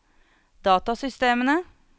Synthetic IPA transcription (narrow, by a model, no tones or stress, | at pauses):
d̪̥ɑːt̪ɑsʏst̪eːmənə